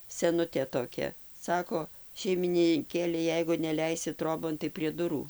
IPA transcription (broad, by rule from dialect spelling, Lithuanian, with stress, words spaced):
sʲɛˈnʊtʲeː toːˈkʲɛ ˈsɑːkoː ʃʲɛɪmʲɪnʲɪŋʲˈkʲeːlʲɛ ˈjɛɪɡʊ nʲɛˈlʲɛɪsʲɪ ˈtroːboːn tɐɪ pʲrʲiɛ ˈdʊruː